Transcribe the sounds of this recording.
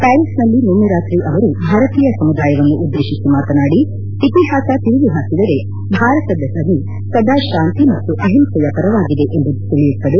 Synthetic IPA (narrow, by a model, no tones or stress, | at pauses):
paːlisnɐlːinunːɐɾaːt̪ɾiʔɐʋɐɾubʱaːɾɐt̪iːjɐsɐmud̪aːjɐʋɐnːuʔud̪ːeːʃisimaːt̪ɐnaːɽi | t̪ipiɦaːsat̪iɾuʋuɦaːkid̪ɐɾe̞ | bʱaːɾɐt̪ɐd̪ɐsɐnːi | sɐd̪aːʃaːnt̪imɐt̪ːuʔɐɦimsɐjɐpɐɾɐʋaːɡid̪e̞ʔembɐd̪ut̪eɭijut̪ːɐd̪e